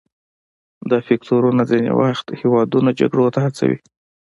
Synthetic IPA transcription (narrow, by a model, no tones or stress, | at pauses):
d̪əfekt̪oɾunazinḛwa̰xt̪hewɑd̪unad͡ʒa̰ɡɽot̪ahat͡sa̰wḭ